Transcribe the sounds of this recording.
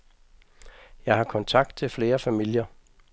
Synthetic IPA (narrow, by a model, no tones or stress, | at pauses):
jɑ̈ɪhɑ̈kʰɒ̽nt͡sʰɑ̈ɡ̥̚d̥̚t͡sʰe̝lfle̝ːɐfæmil̰jɐ